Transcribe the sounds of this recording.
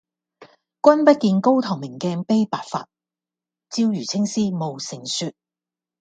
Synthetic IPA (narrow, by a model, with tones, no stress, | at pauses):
kʷɐ˥npɐ˥t̚kiː˨nko˥wt̪ʰɔ˨˩ŋmɪ˨˩ŋkɛː˧ŋpe˥jpaː˨t̚fa̰ː˧t̚ | t͡siː˥wjyː˨˩t͡sʰɪ˥ŋsiː˥mo˨wsɪ˨˩ŋsyː˧t̚